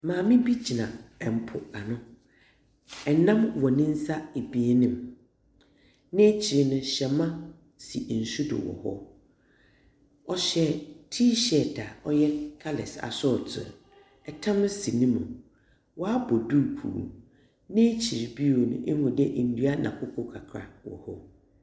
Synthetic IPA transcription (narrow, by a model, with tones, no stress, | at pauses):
mãː˨mɪ̃˦bi˦t͡ɕʰi˨nã̰˨ɛ˨m̩˨pʰʊ˨a˨nʊ̃˦ | ɛ˨nã˦mwɔ˨nɪ̃˦n̩˦sa˦e˨bi˨e˦nɪ̃˨m | nɪ̃˦t͡ɕʰi˨ɾnʊ̃˦ɕɛ˨mã˦ | si˨n̩˨su˦dʊ̰˨wɔ̰˨hɔ̰˦ | ɔ˦ɕɛ˦tʰiː˦ɕɛ˨tʰa˨ɔ˦jɛ˦kʰa˦lɪ̰˨sa̰˨sʊ˦˨tʰʊ̰˨ | ɛ˨tʰã˦m˦si˨nĩ˦mʊ̰̃˨ | wɔ˦a˦bɔ˨du˦ɾkʰṵː˨ | nɪ̃˦t͡ɕʰi˨ɾbi˦o˨nʊ̰̃˨ʔhʊ̃˨dɛ˦ʔn̩˨du˦a˦nʔã˨kʰʊ˦kʰɔ˨kʰa˨kʰɾa̰˨wɔ̰˨hɔ˦